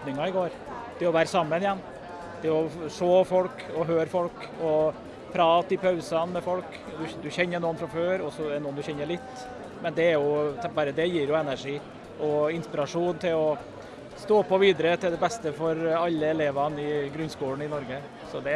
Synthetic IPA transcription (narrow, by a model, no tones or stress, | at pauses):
nɪŋɑɪɡoːɾ | t̪ʰɪɔʋæːɾəsɑmːənɪjɛnː | t̪ʰɪɔʂoːfɔlkɔɦøːɾfɔlk | ɔ | pʰɾɑːt̪ɪpʰɑʉsɑnmɛfɔlk | d̪ʉd̪ʉçɛnːənuːnfɾɑmføːɾɔsɔd̪ɛnuːənd̪ʉçɛnːəɭɪt̪ː | mɛnd̪ɛːɾjʊbɑːɾəd̪ɛjiːɾjʊɛnæʂiː | ɔɪnspɪɾɑʂuːnt̪ʰɪlɔ | st̪oːpʰːɔʋiːd̪əɾət̪ʰɪld̪ɛbɛst̪əfɔɾɑlːəɛleːʋɑnɪɡɾʉnskuːləɳ̩ɪnɔɾɡə | sɔd̪ɛ